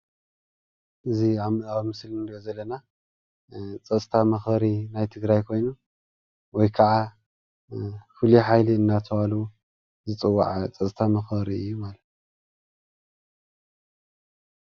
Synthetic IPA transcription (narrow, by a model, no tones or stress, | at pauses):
ʔɨziaβmɨdawimɨslɨnd̪iozɐlːɐna | t͡sʼɐt͡sʼt̪ʰamɐxbɐɾinajt̪ʰɨɡɾajkʰo̞jnu | wɔjkʰɐʕa | fɨliħajliɨnːat̪ʰɐwalwu | zɨt͡sʼɨwːa̰ʕt͡sʼɐt͡sʼt̪ʰamɐxbɐɾiɨjːumalɐt̪